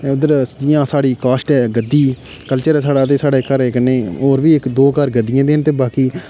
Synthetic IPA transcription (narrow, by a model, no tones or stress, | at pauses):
eʊd̪əɾd͡ʒɪjãːsaːɽiːkaːsʈɛːɡəd̪ːiː | kəlt͡ʃəɾɛːsaːɽaːt̪eːsaːɽeːkəɾeːkənːeːoːɾʋiːɪkd̪oːkəɾɡəd̪ːɪjãːd̪eːnt̪eːbaːkiː